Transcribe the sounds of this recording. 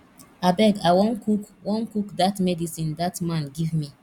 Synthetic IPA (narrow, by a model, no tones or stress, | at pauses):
abɛɡawõnkukwɔ̃nkukdatmɛdisĩndatmãnɡivmi